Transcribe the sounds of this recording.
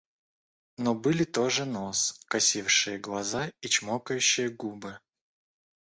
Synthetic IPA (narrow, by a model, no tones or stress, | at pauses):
nobɨlʲɪt̪oʐɨnoskɐsʲifʂɨjəɡlˠɐzait͡ɕmokəjʉɕːɪjəɡubɨ